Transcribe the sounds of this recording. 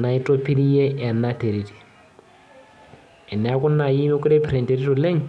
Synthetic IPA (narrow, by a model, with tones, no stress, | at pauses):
na˨i˦tʼo˦pʰi˦ɾi˦je˦ʔɛ˨nːa˦te˨ɾi˨ti̥˨ | ɛ˨nɛ˨a˦ku˦nːa˨ji˦me˦ku˦ɾe˦pɾe˨nte˨ɾi˦tu˨le˦ŋ